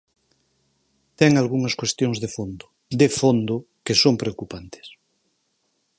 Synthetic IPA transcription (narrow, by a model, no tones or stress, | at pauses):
t̪ɛŋalɣuŋaskwest̪joŋzðefond̪o | d̪efond̪o | kesompɾeokupant̪e̥s